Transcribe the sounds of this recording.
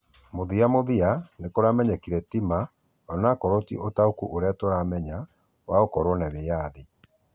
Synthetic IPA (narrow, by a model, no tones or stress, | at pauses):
moðiamoðianekoɾamɛɲakiɾɛtima | ɔnakɔɾɔtiʔotaokuʔoɾeatoɾamɛɲa | waokɔɾɔnɛβejaði